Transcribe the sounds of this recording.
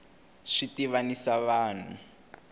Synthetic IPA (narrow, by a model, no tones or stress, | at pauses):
ʂitiβanisaβaːn̤ṵ